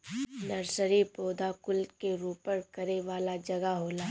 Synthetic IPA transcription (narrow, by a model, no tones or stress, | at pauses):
nɐɾsəɾipoːd̪aːkʊlkeɾuːpəɾkɐɾeʋaːlad͡ʒɐɡaɦoːlaː